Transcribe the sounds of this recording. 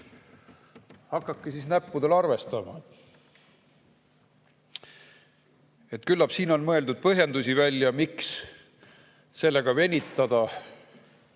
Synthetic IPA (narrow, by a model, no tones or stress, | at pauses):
hɑkːˑɑkːesisnæpːud̪̥elɑrve̞st̪ɑmɑ̰ | e̞t̪ːˑkylːɑpsiːno̞nmɤeld̪ud̪̥̚pɤɦjend̪usʲivælʲːjɑmiks | se̞lːeɡ̥ɑve̞nʲit̪ːˑɑd̪̥ɑ